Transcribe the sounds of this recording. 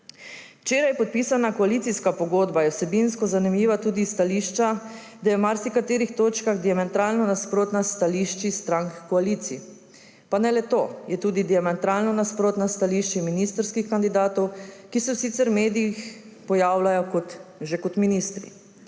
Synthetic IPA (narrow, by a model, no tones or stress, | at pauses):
wt͡ʃeːɾajpɔt̪̚pisanakɔalit̪siskapɔɡoːd̪bajɛwsɛbinskɔzanimjiːʋat̪uːd̪ist̪aliːʃt͡ʃa | d̪ajɛwmaɾsikat̪eːɾixt̪oːt͡ʃkaɣd̪iamɛnt̪ɾaːlnɔnaspɾoːt̪nast̪aliʃt͡ʃist̪ɾaŋkkɔalit̪si | panɛlɛt̪oːjɛt̪uːd̪id̪iamɛnt̪ɾalnɔnaspɾoːt̪nast̪aliʃt͡ʃiminiːst̪ɾskixkand̪id̪aːt̪ɔwkisɛwsiːt̪sɛɾwmeːd̪ijix | pɔjaːwlajɔkɔt̪ʒɛkɔt̪minist̪ɾḭ